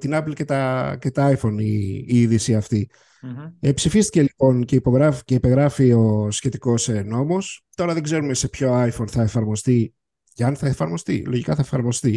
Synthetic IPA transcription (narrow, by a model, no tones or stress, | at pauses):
t̪inɐplce̞t̪ɐce̞t̪ɐɐifo̞niiðisiɐft̪i | epsifist̪ice̞lipo̞nceipo̞ɣɾɐfce̞ipe̞ɣɾɐfio̞sçe̞t̪iko̞sno̞mo̞st̪o̞ɾɐðe̞ɡze̞ɾumese̞pço̞ɐjfonθɐefɐɾmo̞st̪i | cɐnθɐefɐɾmo̞st̪ḭloʝikɐθɐefɐɾmo̞st̪i